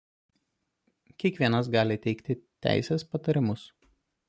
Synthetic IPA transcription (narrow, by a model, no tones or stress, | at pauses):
kʲiɛkʋʲiɛnɐs̬ɡɑːlʲɪt̪ʲɛɪkt̪ʲɪt̪ʲæ̰ˑɪsʲeːspɐt̪ɐɾʲɪmʊs